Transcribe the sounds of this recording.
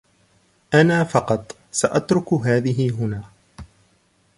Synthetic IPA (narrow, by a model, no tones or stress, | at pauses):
ʔanaːfɑqɑt̪ˤ | saʔat̪ɾʊkʊɦaːðɪɦɪɦʊnaː